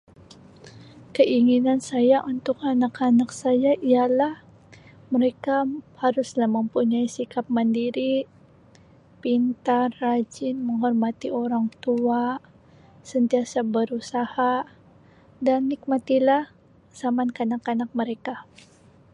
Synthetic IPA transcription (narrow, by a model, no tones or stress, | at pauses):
kəʔiŋinansajaʔunt̪ʊkanakanaksajaʔialah | məɾekahaɾʊslahməmpuɲaisikap̚məndiɾi | pint̪arːad͡ʒɪnməŋɦɔrmat̪ioɾaŋt̪ua | sənt̪iasabəɾusaha | danːik̚mat̪ilah | samankəanakanak̚məɾeka